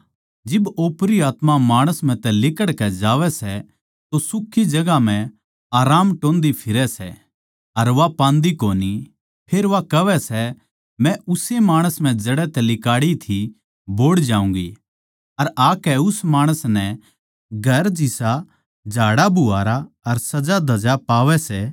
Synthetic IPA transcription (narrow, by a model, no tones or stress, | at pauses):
d͡ʒɪboːpɾiaːt̪mamaːɽ̃əsm̤ɛ̃t̪ɛlɪkəɽkɛd͡ʒaːʋɛsɛ | t̪osʊkʰːid͡ʒɐɡam̤ɛ̃ | aːɾaːmʈõːnd̪ipʰɪɾɛsɛ | ɐɾʋapãːnd̪ikoːni | pʰeːɾʋakɐʋɛsɛ | mɛ̃ʊsemaːɽ̃əsm̤ɛ̃d͡ʒɐɽɛt̪ɛlɪkaːɽit̪ʰi | boːɽd͡ʒaːũːŋɡi | ɐɾaːkɛʊsmaːɽ̃əsnɛ | ɡʱɐɾd͡ʒɪsa | d͡ʒʱaːɽabʱʊaːɾaɐɾsɐd͡ʒad̪ɐd͡ʒapaːʋɛsɛ